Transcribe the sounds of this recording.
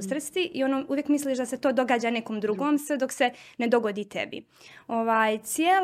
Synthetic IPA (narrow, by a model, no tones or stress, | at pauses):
sr̩st̪iʔionoːuʋjekmisliʃd̪aset̪oːd̪o̞ɡaːd͡ʑaːnekomd̪ɾuɡoːmsʋed̪oksened̪o̞ɡod̪iːt̪ḛbḭ | oʋaːjt̪sjeːl